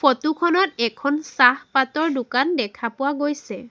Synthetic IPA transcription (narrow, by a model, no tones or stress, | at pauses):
fotukʰɔnɔtɛkʰɔnsahpatɔɹdʊkandɛkʰapʊwaɡojsɛ